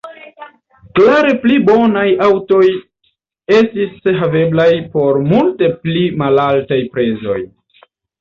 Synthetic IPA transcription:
klaɾe̞plibo̞najawto̞j | e̞stiseɦave̞blajpo̞ɾmulte̞plimalaltajpɾe̞zo̞̰j

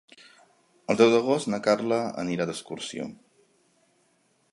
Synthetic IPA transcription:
əlˠd̪ɛwðəɣ̞ostnəkarləə̰niɾad̪əskursio̰

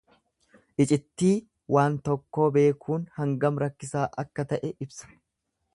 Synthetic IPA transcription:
ʔɪt͡ʃʼɪt̪ːiː | wʔaːnt̪ɔkːo̞ːbe̞ːkʰuːnhɐŋɡɐmɾɐkːɪsaːʔɐkːɐt̪ɐʔɛʔɪbsɐ̥

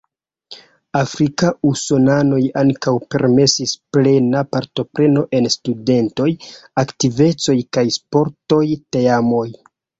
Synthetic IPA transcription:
afɾikauso̞nano̞jaŋkawpe̞ɾme̞sisple̞napaɾto̞pɾe̞no̞ʔe̞nstude̞nto̞jaktive̞t͡so̞jkajspo̞ɾto̞jteamo̞j

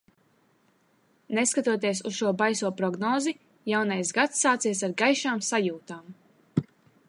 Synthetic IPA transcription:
neskat̪uɔt̪iɛsusʃuɔbajsuɔpɾɔɡnɔːzi | jawnajsɡat̪sːaːt̪siɛsaɾɡajʃaːmsajuːt̪aːm

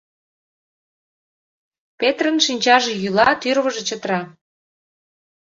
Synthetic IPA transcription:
pet̪rənʃinʲt͡ɕɑʒejylɑt̪yrβəʒet͡ɕət̪ɾɑ

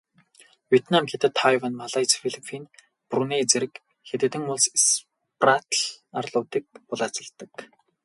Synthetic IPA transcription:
wʲet̪ʰnamxet̪ɘ̆t̪ʰːajwanmaɮajt͡sfiɮipʰin | pruneːt͡seɾɘ̆k | xet̪ĕːt̪ɘ̆ŋʊɮss | prat̪ɮarɮʊːt̪iːk̚pʊɮaːt͡sə̆ɮt̪ə̆k

